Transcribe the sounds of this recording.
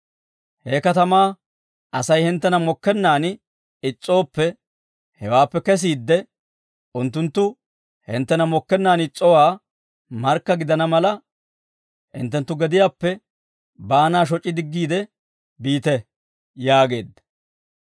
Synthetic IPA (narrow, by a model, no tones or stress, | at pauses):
heːkɐt̪ɐmaː | ɐsɐjhɪnt̪ːɛnɐmɔkːɛnːaːn | ɪt͡sʼːo̞ːpːɛ | hɛwaːpːɛkɛs̬iːd̪ːɛ | ʔʊnt̪ːʊnt̪ːʊ | hɪ̰nt̪ːɛnɐmɔkːɛnːaːnɪt͡sʼːɔwaː | mɐɾkːɐɡɪd̪ɐnɐmɐlɐ | hɪ̰nt̪ːɛnt̪ːʊɡɛd̪ɪjaːpːɛ | baːnaːʃ̬ɔt͡ʃʼːɪd̪ɪɡːiːd̪ɛ | biːt̪ɛ | jaːɡe̞̰ːd̪ːɐ̥